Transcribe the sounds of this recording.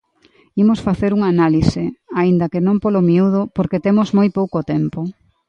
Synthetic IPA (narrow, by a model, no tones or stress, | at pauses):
imosfaθeɾuŋanalisɪaind̪ɐkenõmpolomiuð̞ʊpoɾket̪emozmojpowkot̪empo